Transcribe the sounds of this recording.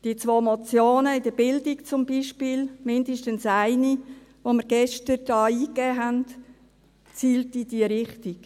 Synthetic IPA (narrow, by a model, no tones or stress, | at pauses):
d̥it͡sʋoːmot͡sjoːnəɪd̥əbɪldikt͡sʊmbiʃpiːlmɪndəʃtənsaɪni | ʋoməɾɡɛʃtəɾd̥ɑːiːkɛːɦænt | t͡siːltid̥iəɾɪχtik